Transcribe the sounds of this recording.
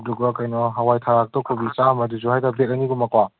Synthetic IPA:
duɡɔkajnɔɦawajtʰaɾak̚tɔkʰobit͡ʃamɐduzuɦajdabet̚ɐniɡumakwa

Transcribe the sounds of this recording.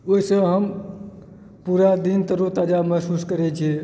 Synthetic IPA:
oisəɦəm | puɾad̪int̪əɾut̪ad͡ʒaməɦsuskəɾɛt͡ʃʰi

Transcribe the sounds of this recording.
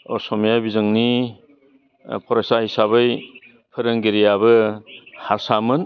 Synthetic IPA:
ɔsɔmjabizɯŋni | pʰɔɾasahisabɯj | pʰɯɾɯŋɡeɾijabɯhaɾsamɯn

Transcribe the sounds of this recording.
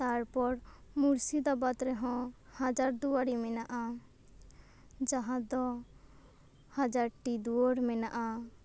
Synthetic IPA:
t̪aɾpɔɾmuɾsid̪ɔbat̪ɾɛɦɔ̃had͡ʒaɾd̪uwaɾimɛnaʔa | d͡ʒaɦãd̪ɔ | had͡ʒaɾʈid̪uɔɽmɛnaʔa

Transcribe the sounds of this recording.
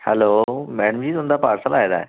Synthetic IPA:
hɛlomɛːɽ̃əmd͡ʑiːt̪oːnd̪apaːɾsəlaːɦed̪a̰ːe

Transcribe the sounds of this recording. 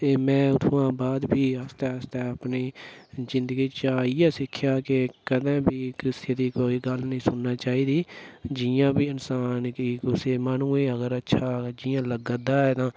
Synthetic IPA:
t̪eːmɛ̃ːʊt̪ʰõːãːbaːd̪bʱiːəst̪ɛːəst̪ɛːəpniːzɪnd̪əɡiːt͡ʃaːiːɛːsɪkʰːjaːkekəd̪ãːbʱiːkɾɪst̪jəd̪iːkoːiːɡəlnəĩːsʊnːaːt͡ʃaːiːd̪iːd͡ʒɪjãːbiːɪnsaːnkiːkʊseːmaːnũːẽːəɡəɾətːʃʰaːd͡ʒɪjãːləɡəd̪aːɦɛːt̪ãː

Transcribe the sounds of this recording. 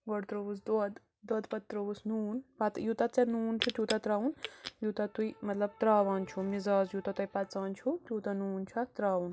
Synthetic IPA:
ɡɔɽt̪ɾoʋusd̪ɐd̪ | d̪ɐd̪pɐt̪ːɾɐʋusnuːnpɐt̪jut̪at͡sɐnuːnt͡ʃʰut̪juːt̪ɐt̪ɾaːunjut̪at̪ujmɐt̪lɐb̚t̪ɾaːʋaːnt͡ʃʰumizaːzjut̪at̪ɐjpɐt͡saːnt͡ʃʰut̪ʲjuːt̪anuːnt͡ʃʰuat̪ɾaːun

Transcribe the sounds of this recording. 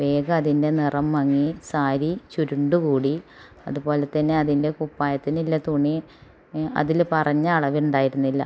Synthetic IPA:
ʋe̞ːɡɐːðinde̞nirɐmːɐŋːisaːɾit͡ɕuɾuɳɖukuːɽi | ɐ̰ðubo̞ːle̞t̪ːɐnːe̞ɐðinde̞kupːaːjɐt̪ːinilːɐt̪uɳːi | ɐ̰ðilpɐrɐɲːɐːɭɐʋiuɳɖaːjiɾunːilːɐ̰

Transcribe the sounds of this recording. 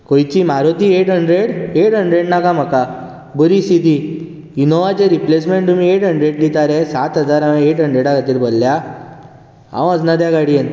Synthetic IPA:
kojt͡ɕimaɾot̪ieʈɦəɳɖɾeɽeʈɦəɳɖɾeɽnakam̤əka | bəɾisid̪ʱi | inoʋat͡ɕeɾiplesmẽɳʈt̪umiːeʈɦəɳɖɾeɽd̪it̪aɾɛsat̪ɦəd͡zaɾamaeʈɦəɳɖɾeɽakʰat̪iːɾbəlːja | ã̰ʋ̃əd͡znad̪jaɡaɽien

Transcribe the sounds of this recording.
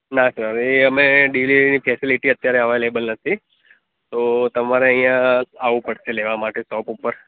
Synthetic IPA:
nasəɾeəmeɖilinifʰɛsiliʈiət̪jaɾeaʋajlebəlnət̪ʰi | t̪ot̪əmaɾeəɦĩjãaʋũpəɽʃeleʋamaʈesʈɔpupəɾ

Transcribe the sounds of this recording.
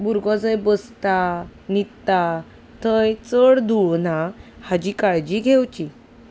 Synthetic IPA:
buɾɡɔd͡zəjbəst̪anit̪tːa | t̪ʰəjt͡səɽd̪uɭnahad͡ʑikaɭd͡ʑiɡʱewt͡ɕi

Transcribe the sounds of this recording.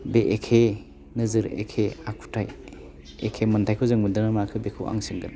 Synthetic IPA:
beʔekʰe | nɯzɯɾḛkʰeakʰu̥tʰaj | ekʰemɐntʰajkʰɯzɯŋmɯdɯnamakʰɯbekʰɯwʔa̰ŋsɯŋɡɯn

